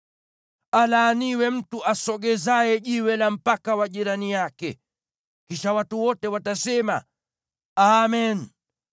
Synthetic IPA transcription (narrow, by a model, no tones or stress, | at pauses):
alaːniwɛm̩tuʔasɔɡɛzajɛʄiwɛlam̩pakawaʄiɾanijakɛ | kiʃawatuwɔtɛwatasɛma̰ | amɛn